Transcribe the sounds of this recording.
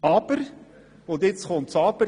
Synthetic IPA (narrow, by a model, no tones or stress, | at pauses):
ɑbəɾ | ʊnd̪ɪt͡sχʊntt͡sɑpəɾ